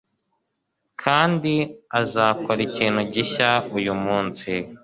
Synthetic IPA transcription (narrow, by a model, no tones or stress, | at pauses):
kʰaːndiazaːkoɾiciːn̥huɟiçaujumuːnsi